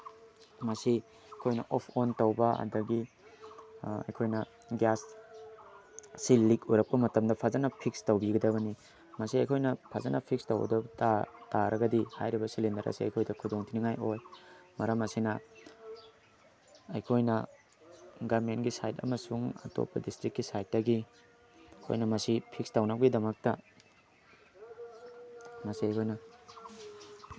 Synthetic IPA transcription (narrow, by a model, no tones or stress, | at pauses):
mɐsi | jkʰojnɐ̰ʔopʰontɐwbɐɐ̰dɐɡi | ɐ̰jkʰojnɐ | ɡas | ilːikuɾɐk̚pɐmɐtɐmdɐpʰazɐnɐpʰik̚stɐwbiɡɐdɐβɐni | mɐsiɐjkʰojnɐpʰazɐnɐpʰik̚stɐwɡɐ̰dɐbɐtataɾɐɡɐdiha̰jɾibɐsilindɐɾɐ̰siɐ̰jkʰojdɐkʰudoŋtʰiniŋajojmɐɾɐmɐsinɐ | ɐ̰jkʰojnɐ | ɡamenɡisajtɐ̰mɐsuŋɐ̰to̰pːɐ̰distɾikːisajt̚dɐɡi | o̰jnɐmɐsipʰik̚stawnɐwɡidɐmɐk̚tɐ | mɐsiɐjkʰojnɐ